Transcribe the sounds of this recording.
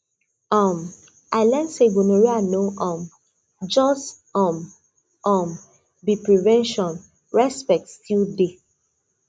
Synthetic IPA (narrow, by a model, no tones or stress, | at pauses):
ɔm | aɪlãnsebonoɹianoʔɔ̃m | d͡ʒɔs | ɔm | ɔm | bipɹivɛ̃nʃɔ̃n | ɹɛspɛk̚tstilde